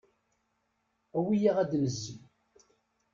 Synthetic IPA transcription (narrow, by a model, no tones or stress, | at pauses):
æwijiʁæd̪məzːi